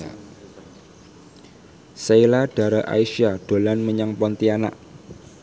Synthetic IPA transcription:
seilaɖ̥a̤ɾaʔa̰iʃiaɖ̥o̤lanməɲaŋpɔnt̪iana̰ʔ

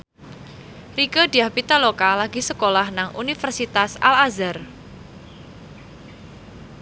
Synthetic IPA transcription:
rikədiahpit̪alokalaɡisəkolahnaŋʔṵnifərsit̪asalazar

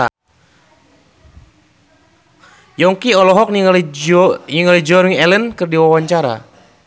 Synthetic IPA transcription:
a | jɔŋkiɔlɔɦɔk̚nil | niŋalid͡ʒɔɾŋɛlənkərdiwawaɲt͡ʃaɾa̰

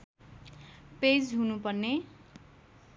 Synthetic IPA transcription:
ped͡zɦunupʌrne

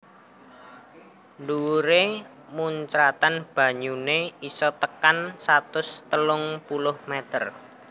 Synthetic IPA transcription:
ɳɖuɾe | muɲt͡ʃɾat̪anb̥ä̤ɲuneisɔt̪əkansat̪ʊst̪əlʊŋpulʊhmɛt̪ər

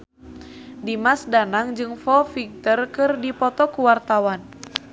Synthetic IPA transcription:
dimasdanaŋd͡ʒɨŋfɔfik̚t̪ərkɨrdipɔt̪ɔkuwart̪awan

